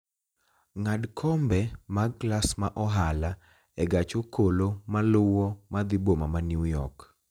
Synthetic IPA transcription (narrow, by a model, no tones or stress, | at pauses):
ŋadkʰɔmbɛmaklasmaʔɔɦala | ɛɡat͡ʃokʰolomalʊwɔmad̪ɪbomamanjujɔk